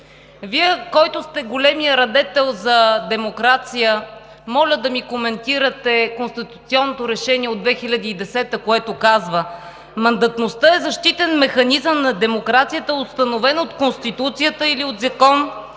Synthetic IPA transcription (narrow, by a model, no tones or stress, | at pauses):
viɛkɔjt̪ʊst̪ɛɡolɛmijəɾɐd̪ɛt̪ɛlˠzɐd̪ɛmokɾat̪sijə | mɔlʲəd̪ɐmikomɛnt̪iɾət̪ɛkonst̪it̪u̥t̪siɔnːot̪oɾɛʃɛniɛod̪vɛxilʲɐd̪iːd̪ɛsɛt̪əkoɛt̪okazvə | mɐnd̪ɐt̪nost̪əɛzɐʃt̪it̪ɛnmɛxɐnizəmnɐd̪ɛmokɾat̪sijət̪əɛost̪ɐnovɛnot̪konst̪it̪ut̪sijət̪əiliot̪zɐkɔn